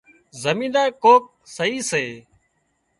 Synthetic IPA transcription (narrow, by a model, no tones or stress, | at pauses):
zəmĩːnd̪aːkoːk̚ | səɦiːseː